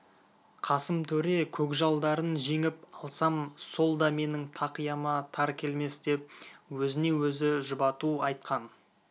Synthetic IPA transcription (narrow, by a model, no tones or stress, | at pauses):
qʰɑsəmt̪ʰɵɾe̞kʲʰɵkʒɑlˠd̪ɑɾənʒe̞ŋɪpɑlˠsɑmso̞lˠd̪ɑme̞nɪŋt̪ʰɑqijɑmɑt̪ʰɑɾkʲʰe̞lme̞sd̪e̞p̚wɵzɪne̞wɵzɪʒʊbɑt̪uɑjt̪̚qɑn